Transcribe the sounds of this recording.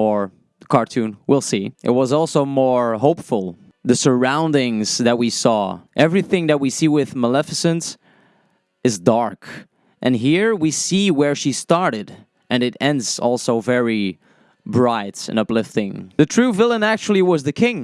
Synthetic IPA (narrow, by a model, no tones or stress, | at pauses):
ə˞ | kʰɑɹtʰʉ̃nwilˠsiʔɨ̰t̚wʌzɔlˠsoʊmɔɹɦoʊpfl̩ˠ | ðɨsə˞ãʊ̃ndɪ̃ŋz̥ðɨt̚wisɔʔɛvɹiθɪ̃ŋðɨt̚wisiwɪðməlɛfɨsɨ̃ns | ɨzdɑɹk | ʔɨ̃nɦiɹwisiwə˞ʃistɑɹɾɨɾ | ʔɨ̃nɨɾɛ̃ndzɔlˠsoʊvɛɹi | bɹaɪɾɨ̰̃nʌplɪftɪ̃ŋðɨtʰɹ̥ʉvɪlˠə̃næk̚t͡ʃul̩ˠiwʌzðɨkʰɪ̃ŋ